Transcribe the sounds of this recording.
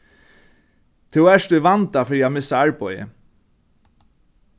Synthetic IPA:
t̪ʰɪwɛʂt̪uʋant̪afɪɾiamɪsːaaɹpɔjə̰

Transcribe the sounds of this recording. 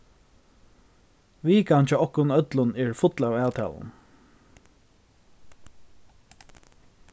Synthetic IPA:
ʋiːkant͡ʃəɔhkʊnœt̪lʊnɛɹfʊt̪lawæːwt̪ʰa̰ːlʊ̰n

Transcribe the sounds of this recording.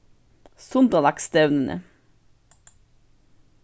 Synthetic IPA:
sʊnd̪ɑlɑkst̪œʉnənʔə̰

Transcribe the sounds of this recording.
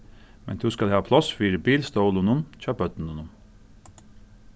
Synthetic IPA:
mɛ̰nt̪ʰʉːskɑlɛhɑːpʰlɑsfiːɾəbiːlst̪əʊlʊnʊnc͡çɑpœt̪n̩unʊm

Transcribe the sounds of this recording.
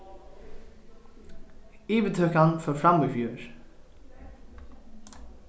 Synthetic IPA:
iːʋət̪ʰœkanføːfɾɑmifjuːɹ

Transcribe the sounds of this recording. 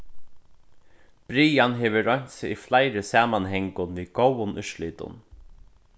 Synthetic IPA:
b̥ɾiːanɦɛːʋɪɾɔɲ̥t̪sɪiflajɾɪsaːmanɦɛŋkʊnʋiːɡowʊnʔʏʃliːt̪ʊ̰n

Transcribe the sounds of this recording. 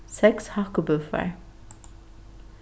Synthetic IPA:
sɛkshɑkʊbʉfə̰ɹ

